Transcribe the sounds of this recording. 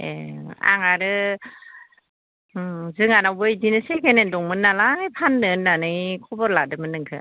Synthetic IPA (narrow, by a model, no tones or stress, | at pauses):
ḛa̰ŋaɾɯ | zɯŋanawbɯjdinɯsekʰenendɔŋmɯnːalapʰanːɯnːanɯjkʰɔbɔɾladɯmɯnːɯŋkʰɯ